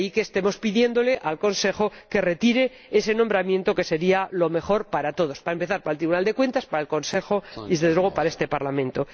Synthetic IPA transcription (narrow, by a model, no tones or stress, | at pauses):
ike̞ːst̪e̞mo̞spiðje̞nd̪o̞le̞ʔalko̞nse̞xo̞ke̞re̞t̪iɾe̞ | ese̞nõmbɾamje̞nt̪o̞ke̞se̞ɾialo̞me̞χo̞ɾpaɾat̪o̞ð̞o̞spaɾaempe̞θaɾpaɾelt̪ɾiβunald̪e̞kwe̞nt̪aspaɾaelko̞nse̞xo̞ezðezðew̞opaɾaest̪e̞paɾlamẽ̞nt̪o